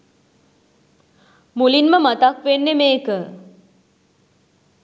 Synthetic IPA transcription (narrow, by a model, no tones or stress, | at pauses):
mulinməmat̪akʋenːemeːkə